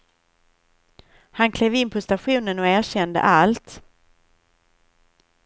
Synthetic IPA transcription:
hankʰleːvɪnpʰɔst̪aɧuːnənɔæːɕɛnd̪ə̰ʔalt̪

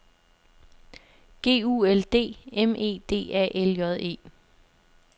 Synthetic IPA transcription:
ɡ̥e̝̰ːuːeld̥e̝̰ːeme̝̰ːd̥e̝̰ːæ̰ʔeljɒð̞ˠe̝̰ː

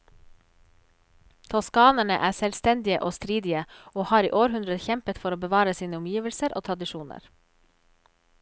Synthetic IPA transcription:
t̪ʰɔskɑːnəɳə̰ʔæːsɛlst̪ɛnd̪ɪəʔoːst̪ɾiːd̪ɪəoːhɑːɾḭːʔoːɾhʉnd̪ɾəçɛmpət̪fɔɾoːbəʋɑːɾəsiːnəʊmjiːʋəlsəɾʔo̰ːt̪ʰɾɑd̪ɪʃuːnə̰ɾ

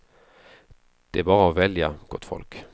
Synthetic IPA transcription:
d̪̥ɛæɾbɑːɾəɔvɛljaɡ̥ɔt̪ːfɔ̰lk

